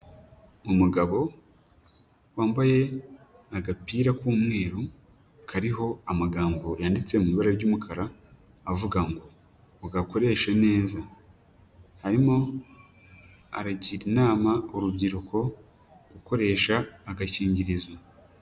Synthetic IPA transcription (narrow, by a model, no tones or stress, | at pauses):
omuɡaβo̞ | waːmbaje̞ | aɡapiːɾakuːmŋe̞ːɾu | kʰaɾiɦo̞amaɡaːmbojaːndit͡se̞muiβaɾaɾɟoːmukʰaɾaː | vuɡaŋɡoː | ɡako̞ɾe̞ʃane̞ːza | haɾimo̞ | a̰ɾaɟiɾinaːmaoɾubɟiɾukʰo̞ | ɡɡuko̞ɾe̞ːʃaːɡaciːɲɟiɾizwa